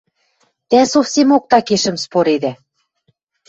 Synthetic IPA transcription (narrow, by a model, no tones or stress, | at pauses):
t̪æsofsemok̚t̪ɑkeʃə̆mspoɾed̪æ